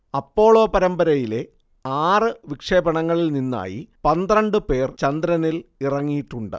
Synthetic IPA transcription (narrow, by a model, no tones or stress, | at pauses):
ɐpːo̞ːɭo̞ːpɐɾɐmbɐɾɐjile̞ | aːrɨʋikʂeːbɐɳɐŋːɐɭilninːa̰ːjḭpɐnd̪rɐɳɖɨpe̞ːrt͡ɕɐnd̪ɾɐnilirɐŋːijiʈːuɳɖɨ̰